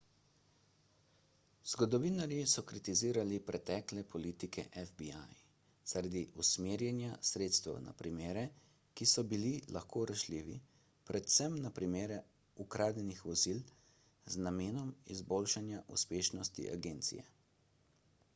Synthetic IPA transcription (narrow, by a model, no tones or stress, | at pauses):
z̥ɡɔd̪ɔʋiːnaɾjisɔkɾit̪iziːɾalipɾɛt̪ɛːklɛpɔliːt̪ikʰɛ̰ʔɛfbiaj | z̥aɾad̪iʔusmeːɾjɛnjasɾeːt̪st̪ʋɛ̰wna̰pɾimeːɾɛ | kisɔbililaxkoːɾaʃliːʋḭ | pɾʔɛt̪sɛmnapɾimeːɾɛ | ukɾʔaːd̪jɛnixʋɔzil | znameːnɔmizboːlʃanjaʔṵspeːʃnɔst̪ḭʔa̰ɡeːnt̪sḭjɛ̰